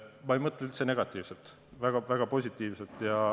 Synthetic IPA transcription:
mɑejmɤt̪ːˑleylt̪se̞ne̞ɡ̥ɑt̪ːˑiːvselt̪ | væɡ̥ɑvæɡ̥ɑpo̞sʲit̪ːˑiːvse̞lt̪ːˑjɑ

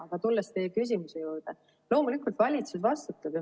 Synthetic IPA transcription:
ɑɡ̥ɑt̪ulːest̪ejkys̬ʲimusejuːɾd̪̥e | lo̞ːmulikːˑult̪vɑlʲit̪sud̪vɑst̪ut̪ːˑɑd̥̪e

